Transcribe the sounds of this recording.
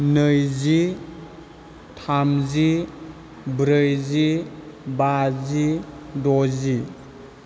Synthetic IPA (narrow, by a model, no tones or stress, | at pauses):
nɯjzi | tʰamzi | bɾɯjzibazidɔzi